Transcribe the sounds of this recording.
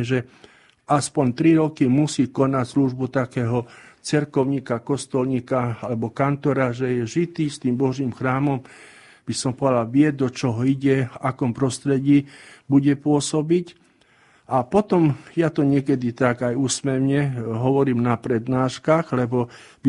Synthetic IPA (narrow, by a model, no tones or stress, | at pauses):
ʒɛ | aspɔɲt̪ɾiɾɔkimusiːkɔnacsluʒbut̪akɛːɦɔt͡sɛɾkɔʊɲiːkakɔst̪ɔlɲikaalɛbɔkant̪ɔɾaʒɛjɛʒit̪iːst̪iːmbɔʒiːmxɾaːmɔm | b̥isɔmpɔdaʋɪɛd̪ɔt͡ʃɔɦɔiɟɛfakɔmpɾɔst̪ɾɛɟiːbuɟɛpʊɔsɔbic | apɔt̪ɔmjat̪ɔɲɪɛkɛd̪it̪aɡajuːsmɛʋɲɛɦɔʋɔɾiːmnapɾɛd̪naːʃkaxlɛbɔ | b